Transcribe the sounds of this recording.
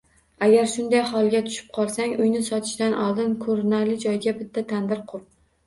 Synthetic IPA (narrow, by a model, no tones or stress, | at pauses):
aɡʲaɾʃʊnd̪ajhɒlˠɡʲat̪ʰʊ̥ʃɪ̥p̚qʰɒlˠsaŋʊjnɪsɒt̪ʰɪ̥ʃd̪anʔɒ̰lˠd̪ɪnkʰɵɾnaɾlɪd͡ʒɒjɡʲabɪt̪ʰːat̪ʰand̪ɪɾqʰʊɾp̚